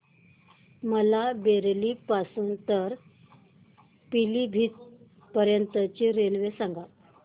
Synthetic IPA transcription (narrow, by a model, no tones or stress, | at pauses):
məlabeɾlipasuːnt̪əɾ | pilibʱiːt̪̚ | pəɾjənt̪ət͡ɕiɾelʋesaŋɡa